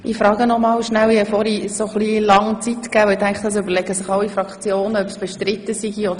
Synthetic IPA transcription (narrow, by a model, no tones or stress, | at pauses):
ʔifɾɑːɡənɔmɑːlʃnæwiɛfɔɾisoχliːlɑŋt͡sit̪kæːvɛʊt̪æŋkt̪ɑs̬øbəlɛɡəsɪχɑʊifɾɑkt͡sjoːnœpsb̥ɛʃtɾɪt̪ːəsiɡiɔd̪